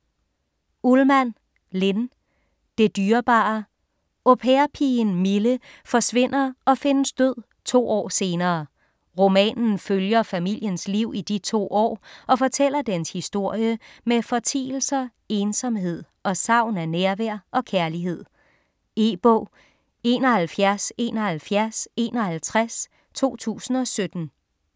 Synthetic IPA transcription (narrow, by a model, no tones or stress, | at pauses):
ulmæn̰ | le̝n | d̥e̝d̥yːɐb̥ɑ̈ | opʰeɐpʰinmilə | fɒ̽sʋe̝n̰ɐɒ̽fe̝nəsd̥øð̰ˠ | t͡sʰo̝̰ːɒ̰ːse̝ːnɐː | ʁo̝mɛ̰ːnn̩føljɐfæmil̰jənsliʊ̰id̥it͡sʰo̝̰ːɒ̰ːɒ̽fɒ̽t͡sʰel̰ɐd̥enshisd̥o̝ɐ̰jəmefɒ̽t͡sʰḭːl̩sɐ | eːnsɒ̽mɦe̝ð̰ˠ | ɒ̽sɑ̈ʊ̰nænæɐʋæɐ̰ʔɒ̽kʰæɐliɦe̝ð̞̰ˠ | e̝b̥ɔ̰ʊ | e̝ːnɒ̽hælfjæɐse̝̰ːnɒhælfjæɐse̝ːnɒ̽hælt͡sʰʁas | t͡sʰo̝̰ːt͡sʰṵːsn̩ɒ̽sød̥n̩